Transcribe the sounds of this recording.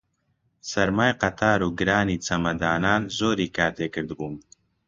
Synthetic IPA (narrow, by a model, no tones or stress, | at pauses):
sɐɾmaːjqɐt̪ʰaːɾuːɡɨɾaːniːt͡sɐmɐd̪aːnaːnzoːɾiːkaːt̪ʰeːkɨɾd̪buːm